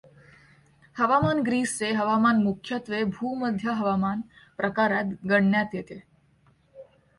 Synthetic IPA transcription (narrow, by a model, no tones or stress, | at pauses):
həʋamanɡɾiːst͡seɦəʋamanmukʰjət̪ʋebʱuːməd̪ʱjaɦəʋamanpɾəkaɾjat̪ɡəɽːjat̪jet̪e